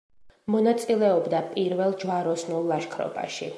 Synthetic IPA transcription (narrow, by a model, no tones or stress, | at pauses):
mɔnat̪sʼilɛɔbd̪apʼiɾvɛlˠd͡ʒwaɾɔsnulˠːaʃkʰɾɔ̰ba̰ʃi